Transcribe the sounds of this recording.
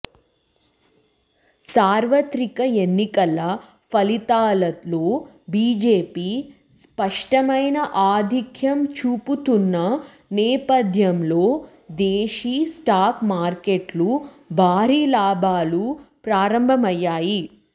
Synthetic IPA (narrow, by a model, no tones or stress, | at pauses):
saːɾʋɐt̪ɾikɐenːikɐlːɐ | pʰɐlit̪aːlɐloː | biːd͡ʒeːpiː | spɐʂʈɐmɐjnɐʔaːd̪ʱikʰjɐmt͡ʃuːput̪unːɐ | nɛːpɐd̪ʱjɐmlo̞ː | d̪eːʃisʈaːkmaːɾkeʈlu | bʱaːɾiːlaːbʱaːlupɾaːɾɐmbʱɐmɐjːaːji